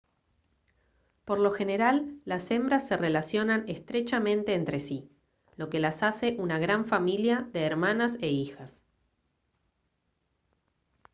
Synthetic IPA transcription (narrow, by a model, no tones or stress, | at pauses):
po̞ɾlo̞xe̞ne̞ɾalːase̞mbɾasːe̞relasjo̞nanest̪ɾet͡ʃamẽ̞nt̪e̞ːnt̪ɾe̞si | lo̞kelasase̞ʔunaɣ̞ɾaɱfamiljaðeːɾmanaseixas